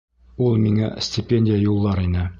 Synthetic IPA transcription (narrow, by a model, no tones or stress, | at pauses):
ulˠmiŋæ̰sʲtʲɪpʲenʲdʲɪjəjulˠːɑɾinɘ